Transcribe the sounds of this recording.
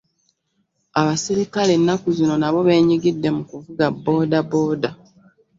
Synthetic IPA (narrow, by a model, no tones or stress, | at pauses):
aβasiɾikalenːakuzino̞naβo̞βe̞ːɲiɡidːe̞mukuvuɡabːo̞ːdabo̞ːda